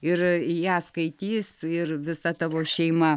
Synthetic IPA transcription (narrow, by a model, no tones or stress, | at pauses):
ɪrijæːskɐɪt̪ʲiːsɪrʋʲɪsɐt̪ɐʋoːʃʲɛɪmɐ